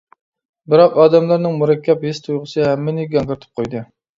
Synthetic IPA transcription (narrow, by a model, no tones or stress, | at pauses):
bɪɾɑqɑːd̪ɛmlæɾnɨŋmuɾɛkʲʰːɛphist̪ʰujʁəsɨhæmːɪnɪɡʲɛŋkɪɾt̪ʰɨ̥p̚qʰojd̪ɨ